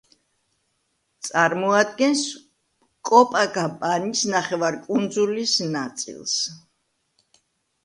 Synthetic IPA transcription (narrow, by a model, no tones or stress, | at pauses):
t̪sʼaɾmɔad̪̚ɡɛns | kʼɔpʼaɡapʼanisnaχɛvaɾkʼund̪zulisnat̪sʼḭlˠs